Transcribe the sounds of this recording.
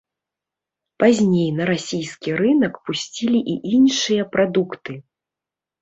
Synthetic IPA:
pazʲnʲejnɐɾasʲijskʲirɨnɐkpusʲt͡sʲilʲiʔiʔinʂɨjɐpɾad̪ukt̪ɨ

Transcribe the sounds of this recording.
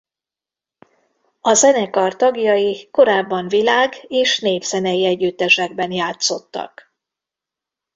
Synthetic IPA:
ɒzɛnɛkɒrt̪ɒɡjɒjiko̞ɾaːbːɒɱvilaːɡeːʃneːvz̥ɛnɛjiɛɟːyt̪ːɛʃɛɡ̚bɛnjaːt̪so̞t̪ːɒ̰k

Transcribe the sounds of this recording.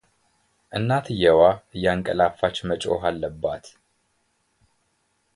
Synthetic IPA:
ʔɨnːat̪ʰɨjɛwaɨjːaŋkʼə̰lafat͡ʃːmət͡ʃʼo̰ɦalːəbːat̪

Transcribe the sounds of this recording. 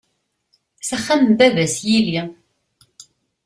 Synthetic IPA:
sæχːæmðæðæsjili

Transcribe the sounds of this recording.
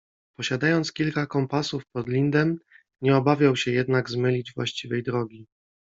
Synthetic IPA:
pɔɕad̪ajɔnt̪skʲilkakɔmpasufpɔd̪lʲind̪ɛm | ɲɛɔbavʲjawɕɛjɛd̪naɡzmɘlʲid͡ʑvwa̰ɕt͡ɕivɛjd̪ɾɔɡʲi

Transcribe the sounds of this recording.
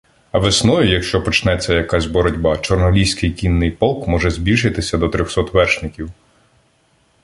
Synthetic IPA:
ɐʋesnɔjʊjɐkʃt͡ʃɔpɔt͡ʃnɛt͡sʲːɐjɐkazʲbɔɾɔdʲbat͡ʃɔrnɔlʲiwsʲkɪjkʲinːɪjpɔlˠkmɔʒɛzʲbʲilʲʃɪt̪ɪsʲɐd̪ɔt̪ɾʲɔxsɔt̪ʋɛrʃnɪkʲiw

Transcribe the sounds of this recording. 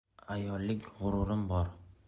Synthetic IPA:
ajɒlːɪkʲʁʊɾʊɾɪmbɒɾ

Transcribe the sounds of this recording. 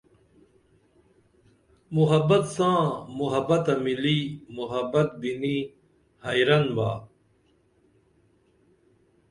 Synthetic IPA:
muɦɐbɐt̪sãːmuɦɐbɐt̪ɐmiliːmuɦɐbɐt̪̚bini | hɐjɾɐnba̰ː

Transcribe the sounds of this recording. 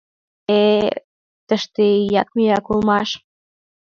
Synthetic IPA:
e | t̪əʃt̪eijɑk̚miɑkulmɑʃ

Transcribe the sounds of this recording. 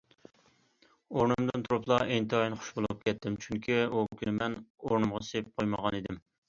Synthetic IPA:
oɾnɨmd̪ɨnt̪ʰuɾuplˠɑʔent̪ɨɑjinχʊ̥ʃbolˠuup̚kʲʰɛt̪ʰːɪmt͡ʃʰyŋkʲʰiukʲynɪmɛnoɾnɨmʁɑsejp̚qʰojməʁɑnid̪ɪm

